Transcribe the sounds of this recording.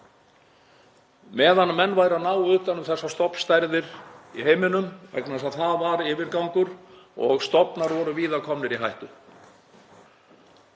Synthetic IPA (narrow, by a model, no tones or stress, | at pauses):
mɛːðanːmɛnːvaːjɾaðnaːwʏht̪anːʏmθɛsːast̪ɔpn̥st̪ajɾðɪɾiɦeːjmɪnʏmvɛ̰knas̬aðθaðvaɾɪːvɪɾkawŋkʏɾɔɣst̪ɔpnaɾvɔɾʏviːðakʰɔmnɪɾiɦajht̪ʏ